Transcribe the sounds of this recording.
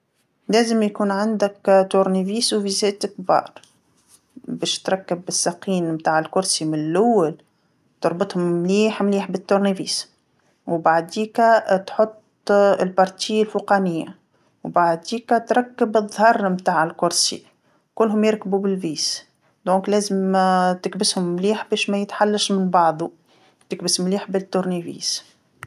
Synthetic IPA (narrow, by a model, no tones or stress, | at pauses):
lɛːzəmjkuːnʕand̪ɪkt̪ʊɾniviːswvizɛːt̪kbɑ̰ːɾˤ | bɛːʃt̪ɾˤɑkːɪbɪsːaqiːnmt̪aːʕɪlkʊɾsimɪnlʔʊwːal | t̪ʊɾˤbɑt̪ˤhʊmmliːħmliːħbɪt̪ːʊɾniviːs | wbaʕd̪iːkæt̪ħʊt̪ˤː | lpɑɾˤt̪ijːɪlfuqɑnɪjːa̰ | wbaʕd̪iːkæt̪ɾˤɑkːəbɨðˤhɑrˤmt̪aːʕɪlkʊɾsḭ | kʊlːɦʊmjɪɾkbubɪlviːs | d̪õːŋklɛːzəmt̪ɪkbɪshʊmːliːħbɛːʃmɛjət̪ħalːaʃmɪnbɑʕd̪ˤu | t̪ɪk̚bəsmliːħbɪt̪ːʊɾnivḭːs